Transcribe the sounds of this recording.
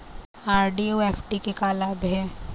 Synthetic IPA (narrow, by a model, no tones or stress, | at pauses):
aːɾɖioeːfʈikekaːlaːbɦɛː